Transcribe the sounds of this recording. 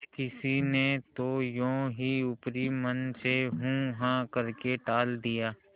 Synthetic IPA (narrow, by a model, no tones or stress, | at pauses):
kɪsinet̪ojõːɦiʊpɾimənseɦũɦãkəɾkeʈaːld̪ijaː